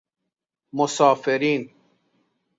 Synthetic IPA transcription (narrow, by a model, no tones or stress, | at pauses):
mosɑːfeɾiːn